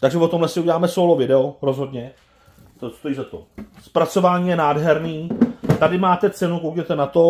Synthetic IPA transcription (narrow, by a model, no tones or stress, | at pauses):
t̪aɡʒɛvot̪omɦlɛsɪʔuɟɛlaːmɛsolovɪdɛoɾo̞zɦo̞dɲɛ | t̪ost̪o̞jiːzat̪o̞̰spɾat͡so̞vaːɲiːjɛnaːdɦɛɾniːt̪adɪmaːt̪ɛt͡sɛnukowd͡ʒɛt̪ɛnat̪o̞